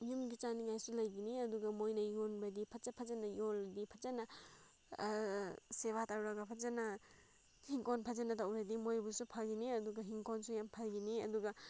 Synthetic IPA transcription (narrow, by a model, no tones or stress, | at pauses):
jumɡit͡ʃaniŋajsulɐjɡiniɐduɡɐmojnɐjonbɐdipʰɐzɐpʰɐzɐnɐjolɐdipʰɐzanɐ | sebataɾuɾɐɡɐpʰɐzanɐ | hiŋkonpʰazanɐtawɾɐdimojbusupʰaɡiniɐduɡɐɦiŋkonsujampʰalɡiniɐ̰duɡɐ